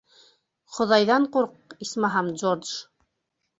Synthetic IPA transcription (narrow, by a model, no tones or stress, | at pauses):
χŏðɑjðɑɴquɾq̚ismɑɦɑmd͡ʒord̪ʒ